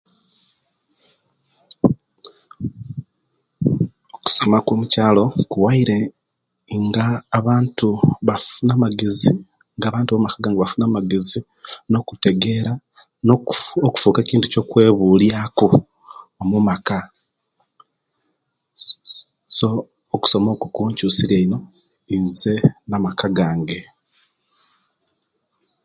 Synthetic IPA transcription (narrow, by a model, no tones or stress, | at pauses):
oku̥somakoːmucaːlo̞kuwaiɾe̞ | ŋɡaːβaːntuβafunamaɡezi | ŋɡaːβaːntuβamakaɡaŋɡaβafunaːmaɡe̞zi | no̞ːkute̞ɡe̞ɾa | nooku̥fuːke̞ːciːntuco̞kwe̞ːβuːljaːku | omumaka | soː | ku̥so̞mo̞ːkukuːɲcusiɾeino̞ | ize̞namakaɡaːŋɡe̞